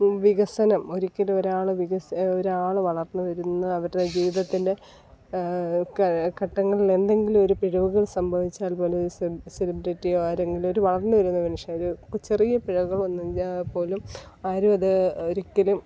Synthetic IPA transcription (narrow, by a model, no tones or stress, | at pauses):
ʋiɣɐsɐnɐmo̞ɾikʲːɐlumo̞ɾaːɭɨʋiɣɐsoɾaːɭɨʋɐɭɐrnːɨʋɐɾunːɐɐʋɐɾðed͡ʑiːʋiðɐt̪ːinde̞ | ɐkɐʈːɐŋːɐɭile̞nd̪e̞ŋɡilumo̞ɾupiɻɐʋuɣɐɭsɐmbʱɐʋit͡ɕːaːlpo̞ːlɾuselibɾiʈːijoaːɾe̞ŋɡilumo̞ɾuʋɐɭɐrnːɨʋɐɾunːɐmɐnuʂɐɾut͡ɕːerijɐpiɻɐʋɣɐɭonːuapo̞ːlumaːɾuɐðɨoɾikʲːɐlum